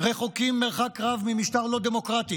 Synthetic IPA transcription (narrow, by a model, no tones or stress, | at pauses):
ʁeχukimːeʁχakʁavmimiʃt̪aʁlo̞d̪emo̞kʁat̪i